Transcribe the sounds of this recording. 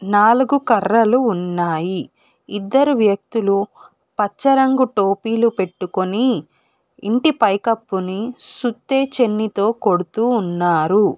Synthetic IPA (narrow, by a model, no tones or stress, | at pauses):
naːluɡukɐɾːɐluːnːaːjiː | d̪ːɐɾuʋjɐk̚t̪ulu | pɐt͡ʃːɐɾɐŋɡuʈoːpiːlupe̞ʈːukoniː | ɳʈipɐjkɐpːunisut̪ːe̞ːt͡ʃe̞nːit̪o̞ːko̞ɽut̪uːnːaːɾu